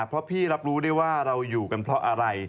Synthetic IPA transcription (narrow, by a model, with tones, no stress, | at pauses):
pʰɾɔ˦˥pʰiː˥˩ɾa˦˥p̚ɾuː˦˥da˥˩jwaː˥˩ɾa˧wjuː˨˩ka˧npʰɾɔ˦˥ʔa˧ɾa˧j